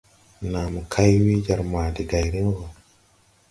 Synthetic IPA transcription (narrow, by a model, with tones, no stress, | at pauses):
na˨mu˨kʰa˦jwi˦d͡ʒa˨ɾma˨di˨ɡa˨jɾi˦nvo˨